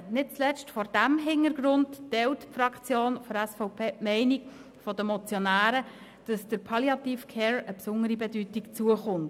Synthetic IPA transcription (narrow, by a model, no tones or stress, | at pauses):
nɪt̚t͡slɛt͡stfɔɾd̥æmɦɪnəɾɡɾʊnttɛltpfɾɑkχt͡sjoːnfɔɾɛsfɔʊpʰeːpmɛɪnik | fɔdəmɔt͡sjɔnæːɾə | d̥ɑsd̥əɾpʰɑljɑtifkʰɛːɹəpsʊŋəɾibɛdytikt͡suəχʊnt